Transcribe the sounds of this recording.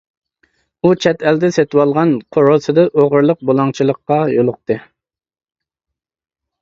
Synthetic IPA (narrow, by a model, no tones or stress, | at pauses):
ut͡ʃʰɛt̪ʰɛld̪ɛset̪wɑlˠʁɑnqʰoɾosɨd̪ɨʔoʁəɾlˠəq̚bolˠɑŋt͡ʃʰilˠəqːɑjolˠʊq̚t̪ɨ